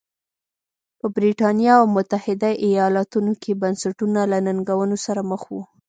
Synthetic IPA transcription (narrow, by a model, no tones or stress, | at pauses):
pəbɾiʈɑnjɑawmʊt̪ahɪd̪aʔijɑlɑt̪unokʰebansaʈunalanaŋɡawənosaɾaməxwu